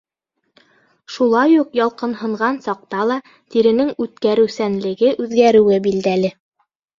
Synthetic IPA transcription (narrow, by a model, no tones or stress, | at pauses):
ʃulˠɑjuqjɑlˠqɤ̆nɦɤ̆ɴʁɑnsɑq̚t̪ɑlˠɑ | t̪iɾɘ̆nɘŋʉt̪kæɾɘ̆wsænlɘ̆ɡɘʔʉðɡæɾɘ̆wɘbild̪ælɘ